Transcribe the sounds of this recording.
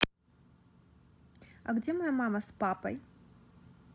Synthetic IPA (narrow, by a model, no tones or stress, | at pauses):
ɐ̰ɡd͡zʲɛmɐjamamɐspapɐ̰j